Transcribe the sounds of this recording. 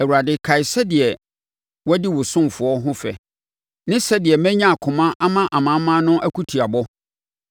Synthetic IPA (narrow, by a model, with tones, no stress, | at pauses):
ɛ˨wu˨ɾa˨dɪ˦kʰa˨ɪ˨sɛ˦dɪ˨ɛ˨ | wɔ˦di˦wʊ˨sʊ̃˦m˨fʊ˨˦ɔ˦ɦʊ̃˦fɛ̰˨ | nɪ̃˦sɛ˦dɪ˨ɛ˨mæ̃˦ɲã˦a˨kʰʊ̃˨mã˦ʔa˦mã˦ʔa˨mã˨˦mã˦nʊ̃˦ʔæ˦kʰu˦tʰi˨a˨bɔ˦